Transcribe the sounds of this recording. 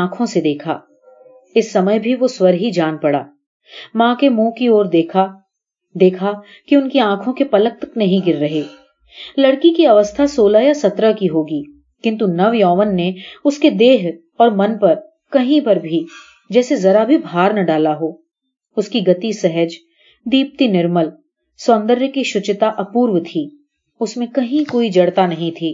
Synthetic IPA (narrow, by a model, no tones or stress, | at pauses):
ãːkʰõsed̪eːkʰa̰ː | ɪsːɐməjbʱiʋoswɐɾɦid͡ʒaːnpɐɽa̰ː | mãːkemõːkioːɾd̪eːkʰa | d̪eːkʰa | kiʊnkiãːkʰõkepɐlək̚t̪knɐɦĩɡɪɾːɐɦeː | lɐɽkikiɐʋəst̪ʰasoːlaːjasɐt̪ɾəkiɦoːɡiː | kɪ̃nt̪̬unɐʋjɔːʋənːeʊsked̪eːɦ | ɔːɾmɐnpɐɾ | kɐɦĩpɐɾbʱi | d͡ʒɛːsezɐɾabʱibʱaːɾnɐɖaːlaɦoː | ʊskiɡɐt̪isɛɦəd͡ʒ | d̪iːp̚t̪inɪɾməl | sɔːnd̪əɾjəkiʃʊt͡ʃt̪aʔɐpuːɾʋt̪ʰiː | ʊsmẽkɐɦĩkoːid͡ʒɐɽt̪anɐɦĩt̪ʰiː